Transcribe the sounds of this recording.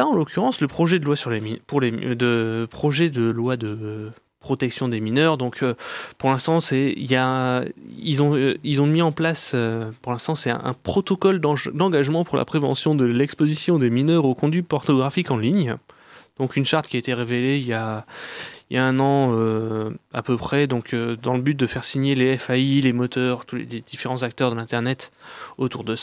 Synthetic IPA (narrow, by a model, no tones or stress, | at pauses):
laɑ̃lokʲyʁɑ̃sləpχɔʒɛd̪əlwasyʁlemipuʁled̪əpχɔʒɛd̪əlwad̪ə | pχɔt̪ɛksjɔ̃d̪eminœʁd̪ɔ̃kʰøpuʁlɛ̃st̪ɑ̃sɛḭlja | ilzɔ̃ilzɔ̃miɑ̃plasøpuʁlɛ̃st̪ɑ̃sɛ̰̃ɛ̰̃pχɔt̪ɔkɔld̪d̪ɑ̃ɡaʒmɑ̃puʁlʔa̰pχevɑ̰̃sjɔ̃d̪əlɛkspozisjɔ̃d̪eminœʁokɔ̃d̪ɥipɔʁnɔɡʁafikɑ̃liɲ | d̪̥ɔ̃kynʃaʁt̪kiaet̪eʁeveleilja | ilja̰ɛ̃nɑ̃ø | a̰pøpχɛd̪ɔ̃kʰød̪ɑ̃ləbyt̪̚d̪əfɛʁsiɲeleɛfailemɔt̪œʁt̪ulḛled̪̥ifeʁɑ̃zak̚t̪œʁd̪əlɛ̃t̪ɛʁnɛt̪ot̪uʁd̪əsa